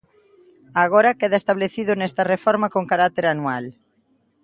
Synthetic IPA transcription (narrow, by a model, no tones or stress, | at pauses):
aɣ̞oɾɐkeðaest̪aβleθiðʊnɛst̪ɐrefɔɾmɐkoŋkaɾakt̪eɾanual